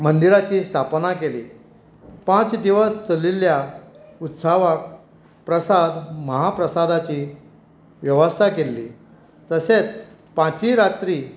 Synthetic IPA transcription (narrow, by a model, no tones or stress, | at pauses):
mənd̪iɾat͡ɕiːst̪ʰapnakelḭː | pãt͡sd̪iʋəst͡səliljaut̪saʋak | pɾəsad̪məɦapɾəsad̪at͡ɕi | ʋjəʋəst̪ʰakelːḭː | t̪əset͡s | pãt͡ɕiɾat̪ɾiː